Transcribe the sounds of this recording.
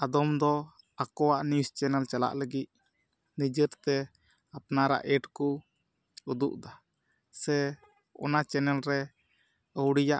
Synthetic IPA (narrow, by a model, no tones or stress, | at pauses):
ad̪ɔmd̪ɔ | akɔwaʔnist͡ʃɛnɛlt͡ʃala̰ʔləɡit̪̚ | nid͡ʒəɾt̪ɛ | apnaɾa̰ʔɛʈku | ud̪ṵʔd̪a | sɛ | ɔ̰nat͡ʃɛnɛlɾɛ | əwɽijaʔ